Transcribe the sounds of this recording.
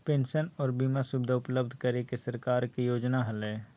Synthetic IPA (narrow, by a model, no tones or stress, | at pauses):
pẽːnʃənɔːɾbiːmasʊbd̪ʱaʊpləbd̪ʱkəɾekesəɾkaːɾkijoːd͡ʒnaɦɐlɛː